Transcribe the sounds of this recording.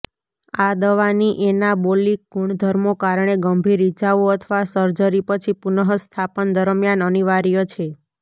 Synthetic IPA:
ad̪əʋaniʔenabolik̚ɡuɳd̪ʱəɾmokaɾɳ̃eɡəmbʱiɾit͡ʃaʋoət̪ʰəʋasəɾd͡ʒəɾipət͡ʃʰipunəɦəst̪ʰapənd̪əɾmjanəniʋaɾijot͡ʃʰe

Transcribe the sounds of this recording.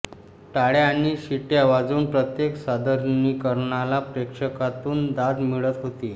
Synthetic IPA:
ʈaɽaaɽ̃iɕiʈjaʋad͡zuːnpɾət̪jeksad̪əɾnikəɾɳalapɾekʂəkat̪uːnd̪ad̪miɭət̪ɦot̪i

